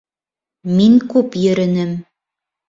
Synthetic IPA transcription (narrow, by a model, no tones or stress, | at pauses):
miŋkʉpjɵ̆ɾɘ̆nɘm